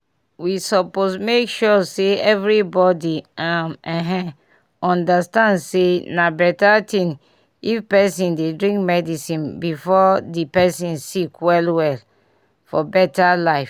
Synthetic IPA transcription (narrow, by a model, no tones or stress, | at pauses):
wisɔposmekʃɔseɛvɹibɔdiãmɛ̃ɦɛ̃ | ɔ̃ndastãndsenabɛtatĩn | ifpɛsĩndedɹĩŋkmɛdisĩnbifɔdipɛsĩnsikwɛlwɛl | fɔbɛtalaɪf